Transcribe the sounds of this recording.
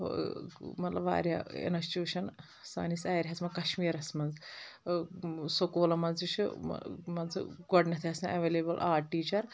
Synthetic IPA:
o̰mɐt̪lɐba̰ːɾja̰ḛnɐst͡ʃuːʃɐn | sa̰ːnisʲaːjɾʲɦɐsmɐnkɐʃmiːɾɐsmɐnz | sokoːlɐmɐnzt͡ʃʰṵmɐnz̰ɡɔɖnɐt̪ʰiɐsɐʔɐʋeːleːbɐlʔaːʈʈːiːt͡ʃɐɾ

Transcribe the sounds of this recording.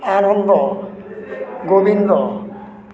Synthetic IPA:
aɾɔmbɔ | ɡobind̪ɔ

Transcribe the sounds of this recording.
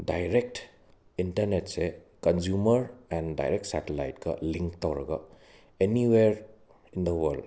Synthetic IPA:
dajɾek̚ʈ | intɐɾnetse | kɐnzumɐɾɛnda̰jɾek̚ʈsatela̰jtkɐ̰liŋkt̪awɾɐ̰ɡɐ̰ | eniweɾ | ind̪ɐwɐɾld

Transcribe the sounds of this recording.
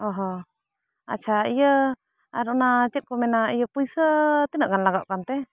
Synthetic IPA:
ɔɦɔ | a̰t̚t͡ʃʰaijə | aɾɔnat͡ʃɛt̪̚kɔmɛnaijəpujsət̪inəʔɡanlaɡaʔkant̪ɛ

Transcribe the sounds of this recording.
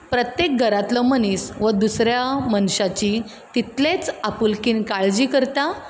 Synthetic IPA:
pɾət̪jek̚ɡʱəɾat̪ləmənisʋəd̪usɾjamənɕat͡ɕi | t̪it̪let͡sapulkiːnkaɭd͡ʑiːkəɾt̪a

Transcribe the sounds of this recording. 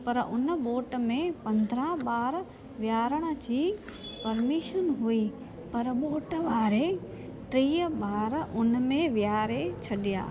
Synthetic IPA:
pɐɾʊnɓoːʈ̆mẽpɐ̃nd̪ʱɾãɓaːɾ | ʋjaːɾəɽ̃ə̆d͡ʑiːpɐɾmiːʃənɦui | pɐɾɓoːʈʋaːɾe | ʈɾiːəɓaːɾʊnmẽʋjaaːɾet͡ɕʰɐɗija̰ː

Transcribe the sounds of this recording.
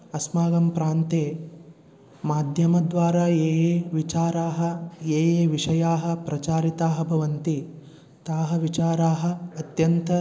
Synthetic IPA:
ɐsmaːɡɐmpɾaːnt̪eː | maːd̪ʱjɐmɐd̪ʋaːɾaːeːjeːʋit͡ʃaːɾaːɦɐ̆eːjeːʋiʂɐjaːɦɐ̆pɾɐt͡ʃaːɾit̪aːɦɐbʱɐʋɐnt̪i | t̪aːɦɐʋit͡ʃaːɾaːɦɐ̆ɐt̪jɐnt̪ɐ

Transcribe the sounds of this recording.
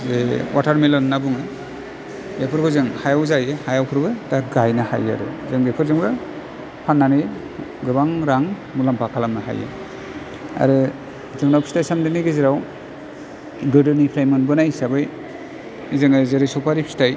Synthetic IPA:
zewatʰaɾmelɔnːabuŋɯ | epʰɯɾɡɔzɯŋhajawzajɯhajawkʰɯɾbɯtaɡajnaha̰ja̰ɾɯ̰zɯŋɡekʰɯɾzɯŋbɯ | pʰanːanɯj | ɡɯbaŋɾaŋ | mulampʰakʰalamnaɦa̰jḛ | a̰ɾɯ | zɯŋnawpʰi̥stajsamdɯniɡɯziɾaw | ɡɯdɯnipʰɾajmɯnbɯnajsabɯj | zɯŋɯzeɾisɔpʰaɾipʰi̥staj

